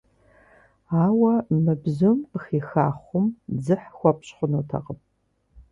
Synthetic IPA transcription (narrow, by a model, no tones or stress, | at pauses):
aːwɐmɨbzɨmχiːxaːχʷʊmd͡zɨħxʷɔpʰɕχʷʊnotʰɐ̰qəp̚ʼ